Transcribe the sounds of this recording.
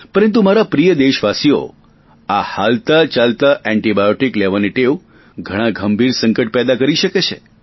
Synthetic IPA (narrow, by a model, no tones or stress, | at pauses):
pəɾənt̪̬umaɾapɾijəd̪eʃʋasio̰ | ahalt̪at͡ʃalt̪aʔɛ̃ɳʈibajoʈikleʋaniʈeʋ | ɡʱəɽ̃ãɡʱəmbʱiɾsəŋkəʈ̚pɛd̪akəɾiʃəket͡ʃʰe